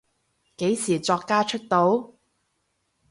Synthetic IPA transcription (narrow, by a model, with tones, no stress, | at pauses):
ke˨˥jsiː˨˩t͡sɔː˧kːaː˥t͡ʃʰɵ˥t̚t̪o˨˥w